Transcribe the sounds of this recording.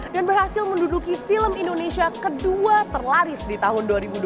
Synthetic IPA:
danbərhasɪlməndudukifiləmindonesiakəduat̪ərlaɾɪsdit̪aɦʊnduaɾibud

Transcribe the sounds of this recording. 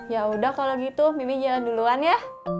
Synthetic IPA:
jaudahkaloɡit̪umimid͡ʒalanduluanja

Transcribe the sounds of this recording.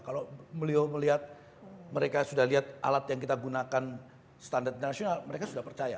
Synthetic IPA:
kaloməlioməliɦat̪̚ | məɾekasudahliɦat̪̚ʔa̰lat̪jaŋkit̪aɡunakan | st̪andart̪int̪ərnasionalməɾekasudahpərt͡ʃaja

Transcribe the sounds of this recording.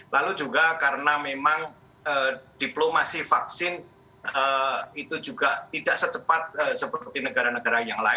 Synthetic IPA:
lalud͡ʒuɡakaɾənamemaŋ | əːd̥iplomasifaksɪn | əit̪ud͡ʒuɡat̪idaʔsət͡ʃəpat̪̚əsəpərt̪inəɡaɾanəɡaɾajaŋla̰ɪ

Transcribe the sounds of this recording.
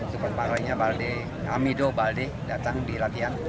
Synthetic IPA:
sukat̪̚maɾaiɲabalde | a̰midobalde | dat̪aŋdilat̪ian

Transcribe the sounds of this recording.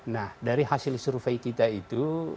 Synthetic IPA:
nahdaɾiɦasɪlsuɾfajkit̪ait̪u

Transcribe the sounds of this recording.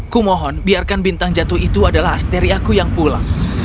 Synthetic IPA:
kumɔɦɔnbiarkanbint̪aŋd͡ʒat̪uhit̪uadalaɦast̪eɾiakujaŋpula̰ŋ

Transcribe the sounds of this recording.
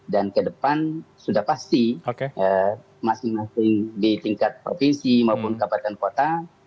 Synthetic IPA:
dankədəpansudahpast̪iokeʔə | masɪŋmasɪŋdit̪iŋkat̪̚pɾo̰finsimaupʊnkabat̪ɛnkot̪a

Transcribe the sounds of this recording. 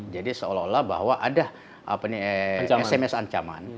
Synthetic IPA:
d͡ʒadisəolaolahba̰ɦwaʔada | ʔa̰paniaɛsɛmɛsaɲt͡ʃama̰n

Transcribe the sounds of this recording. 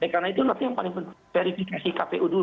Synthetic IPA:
ɛkarnait̪ulart̪ijaŋpalɪŋpəfeɾifikasikapeʔuduɾ

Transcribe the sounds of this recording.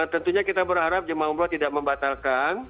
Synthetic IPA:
t̪ənt̪uɲakit̪abəɾɦaɾap̚d͡ʒəmaumblat̪idak̚məmbat̪alkan

